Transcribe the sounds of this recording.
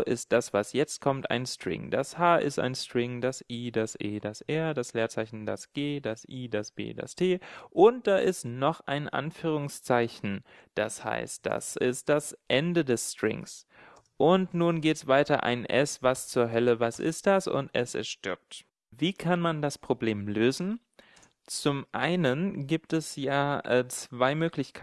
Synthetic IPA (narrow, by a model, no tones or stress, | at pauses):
ʔɪst̚d̥asv̥asjɛt͡st̚kʰɔmta̰ɪnstʁ̥ɪ̰ŋdashaːʔɪ̰sta̰ɪnstʁ̥ɪŋdasʔiːdasʔeːdasʔɛɐdasleːɐt͡saɪçn̩da̰sɡ̥eːdasʔiːdasb̥ḛːda̰stʰeːʔʊnt̚d̥aːʔɪstnɔχʔaɪnʔa̰nfyːʁ̞ʊŋst͡saɪçn̩ | d̥asha̰ɪst̚d̥a̰sʔɪst̚d̥asʔɛndədɛstʁ̥ɪ̰ŋs | ʔʊntnuːnɡeːtsv̥aɪtɐʔa̰ɪnʔɛ̰svast͡suːɐɦœləvasʔɪ̰st̚d̥asʊ̰ntʔɛ̰sɛ̰sʃtʏɐp̚t | viːkʰanmandaspʁ̥obleːmløːzn̩ | t͡sʊmʔa̰ɪnənɡiːp̚tɛsjaːʔɛːt͡sv̥aɪmøːklɪçkʰ